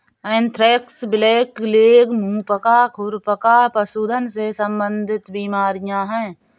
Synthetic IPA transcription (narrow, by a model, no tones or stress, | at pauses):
ent̪ʰɾeːksbɪleːkleːɡmũːpəkakʰʊɾpəkapəsuːd̪ʱənsesə̃mbə̃nd̪ʱɪt̪biːmaːɾɪjãːɦɛ̃ː